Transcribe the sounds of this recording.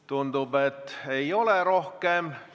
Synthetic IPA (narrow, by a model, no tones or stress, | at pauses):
t̪und̪ubet̪ːe̞jo̞leɾo̞hkem